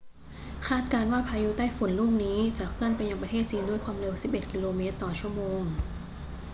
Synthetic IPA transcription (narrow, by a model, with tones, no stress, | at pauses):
kʰaː˥˩t̪̚kaː˧nwaː˥˩pʰaː˧ju˦˥t̪aː˥˩jfu˩˦nluː˥˩ŋniː˦˥t͡ɕa˨˩kʰɯ˥˩ənpa˧ja˧ŋpɾa˧t̪ʰeː˥˩t̪̚t͡ɕiː˧ndu˥˩əjkʰwaː˧mɾe˧wsi˨˩p̚ʔe˨˩t̪̚ki˧loː˧me˦˥t̪ːɔː˨˩t͡ɕʰu˥˩əmoː˧ŋ